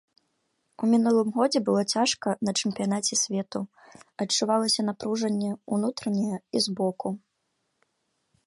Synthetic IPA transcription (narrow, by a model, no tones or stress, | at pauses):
umʲinulˠɨmɣɔd͡zʲɛbɨlˠɔt͡sʲaʂkɐnɐt͡ʂɨmpʲijanat͡sʲɛsʲvʲɛt̪u | ɐt͡ʂːuvalˠɐsʲɐn̪apɾuʐɐnʲːɛunut̪ɾɐnʲɛjɐizbɔku